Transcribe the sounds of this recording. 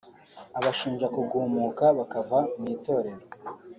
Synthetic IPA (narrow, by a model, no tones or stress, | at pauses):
aβaʃiːnʒakuɡuːmukaβakavamiːto̞ːɾe̞ɾo